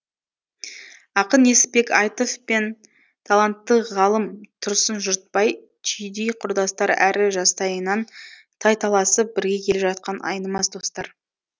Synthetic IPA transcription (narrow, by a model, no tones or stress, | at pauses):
ɑqəne̞sɪpe̞kɑjt̪ofpe̞n | t̪ʰalˠant̪ːəʁɑlˠəmt̪ʰʊɾsənʒʊɾt̪̚pɑj | t͡ʃʰijd̪ijqʰʊɾd̪ɑst̪ɑɾæ̰ɾɪʒɑst̪ɑjənɑn | t̪ʰɑjt̪ʰɑlˠɑsəp̚bɪɾɡʲe̞kʲʰe̞lepʒɑt̪̚qɑnʔɑ̰jnəmɑsd̪o̞st̪ɑɾ